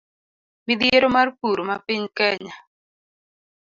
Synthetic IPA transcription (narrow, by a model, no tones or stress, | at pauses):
mid̪jeɾomarkuɾomapiɲkɛɲa